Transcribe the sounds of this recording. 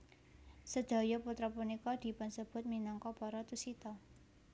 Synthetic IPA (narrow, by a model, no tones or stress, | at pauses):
səd̥a̤jɔput̪ɾapunikɔd̥i̤pansəb̥ʊ̤t̪̚minaŋkɔpɔɾat̪usit̪ɔ